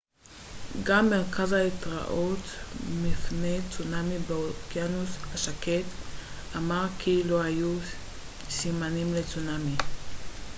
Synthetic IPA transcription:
ɡamːeʁkazaitʁa̰ʔotmipnejt͡sunamibeokjanushaʃaket | ʔamaʁkʰilo̞haju | simanimlet͡sunami

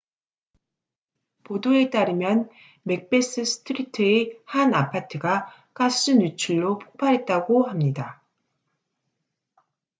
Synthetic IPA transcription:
podoe̞t͈aɾɯmjʌn | me̞k̚p͈e̞s͈ɯsʰɯ̥tʰɯɾitʰɯehanapʰatʰɯɡa | k͈as͈ɯɲut͡ɕʰuɭːopʰo̥k̚pʰaɾɦe̞t̚t͈aɡohamɲida

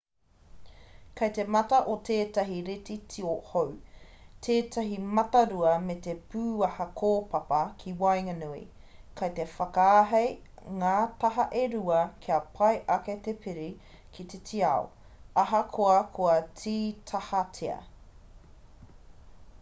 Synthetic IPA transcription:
kɐjtemɐtɐʔotʰeːtɐɦiɾetitʰiohowtʰeːtɐɦimɐtɐɾuɐmet̪epʰʉːɐhɐkʰoːpɐpɐkʰiwɐjŋɐnuḭ | kʰɐjtefɐkaːɦɐj | ŋaːtɐɦɐʔeɾuɐkʰiɐpʰɐjʔɐket̪epʰɪɾi | kʰit̪etʰiɐ̰o̰ | ɐɦɐkʰoɐkʰoɐtʰiːtʰɐhɐtʰeɐ̰

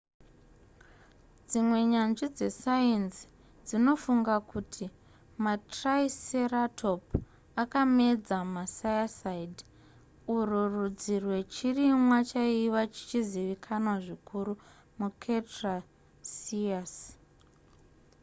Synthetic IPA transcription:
d͡zimwe̞ɲanʐid͡ze̞saensi̥ | d͡zino̞fuŋɡakutʰi | matraiseratʰo̞p | akame̞d͡zamasajasaid | ururud͡zirwe̞t͡ʃirimwat͡ʃaiwat͡ʃi̥t͡ʃiziʋikʰanwaʐikʰuɾu | mukʰetra | sias

